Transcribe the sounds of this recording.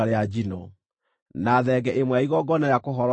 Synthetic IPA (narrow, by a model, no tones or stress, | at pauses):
aɾead͡ʒinɔ | naðɛɡɛʔemwɛaiɣɔɡɔnaɾjakoɦɔɾ